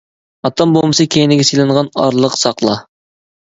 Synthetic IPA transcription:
ɑt̪ːɑmbolˠmɨsɑkʲʰejnɪɡʲɛsijlˠɨɴʁɑnɑɾlˠəqsɑqlˠɑ

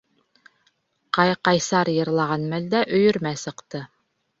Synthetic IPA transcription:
qɑjqɑjsɑɾjɤ̆ɾlˠɑʁɑnmæld̪æʔɵ̆jɵ̆ɾmæsɤ̆qt̪ɤ

